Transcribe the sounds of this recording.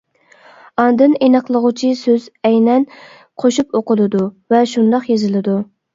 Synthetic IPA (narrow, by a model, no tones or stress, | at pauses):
ɑnd̪ɨnenɨqlˠəʁʊt͡ʃʰisøzɛjnɛn | qʰoʃupoqəlˠɨd̪uvɛʃund̪ɑqjezɪlˠɨd̪u